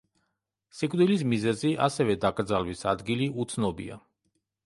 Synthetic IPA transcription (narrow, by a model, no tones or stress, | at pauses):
sikʼd̪ilis̬mizɛziʔa̰sɛvɛd̪aɡʼɾd̪zalvisa̰d̪ɡiliʔut̪sʰnɔbḭa̰